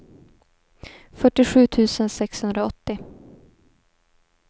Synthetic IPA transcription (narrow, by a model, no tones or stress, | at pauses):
fœʈːɪɧʉ̟ːt̪ʰʉ̟ːsənsɛkshɵnd̪ɾaɔt̪ːɪ